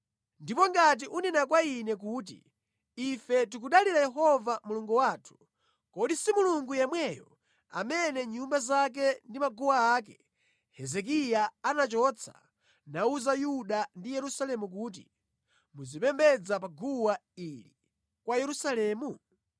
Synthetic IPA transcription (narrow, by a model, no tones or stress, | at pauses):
ndipɔŋɡat̬iʔuninakwainɛk̬uːt̬ḭː | fɛt̬ikuɗaliɾajɛɦɔvamuluŋɡuwaːtʰu̥ | kɔɗisimuluŋɡujɛmwɛjɔ̰ | a̰mɛnɛɲumbazak̬ɛndimaɡuwaaːkɛ | hɛzɛk̬ijaanat͡ʃɔt͡sʰḁ̰ | nauzajuɗandijɛɾusalɛmuk̬uːt̬ḭ | muzipɛmbɛd͡zap̬aɡuwaili | kwajɛɾusalɛːmu